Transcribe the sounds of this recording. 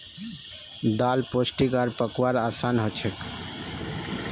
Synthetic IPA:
d̪alposʈikaɾpəkwaɾasanɦɔt͡ʃʰek

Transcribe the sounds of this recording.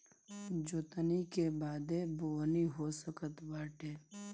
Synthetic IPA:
d͡ʒoːt̪ənikebaːd̪eboːniɦosəkət̪baːʈeː

